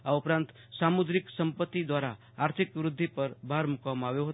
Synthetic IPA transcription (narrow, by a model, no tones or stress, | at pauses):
aupɾant̪ | samud̪ɾiksʌmpət̪ːid̪waɾaː | ɾt̪ʰikʋɾud̪ʱːipʌɾbʱaɾmukamaweɦot̪